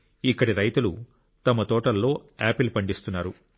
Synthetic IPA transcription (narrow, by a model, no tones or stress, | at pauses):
ikːɐɽiɾɐjt̪ulu | t̪ɐmɐt̪ɔːʈɐlːo̞ːaːpilupɐɳɖist̪unːaːɾu